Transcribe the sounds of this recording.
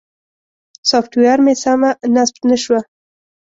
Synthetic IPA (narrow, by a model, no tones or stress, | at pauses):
sofʈwejaɾmesamanasbt̪naʃwa